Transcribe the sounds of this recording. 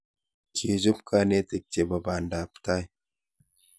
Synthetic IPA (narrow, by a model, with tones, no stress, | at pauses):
kʰi˨d͡ʒu˦pkʰa˦ne˦t̪e˨k̚te˨ba˨ba˨nda˨pta˦j